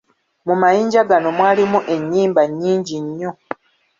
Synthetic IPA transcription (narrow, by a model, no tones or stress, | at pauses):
mumajiːɲɟaɡano̞mwaːlimuʔe̞ɲːiːmbaɲːiːɲɟiɲːo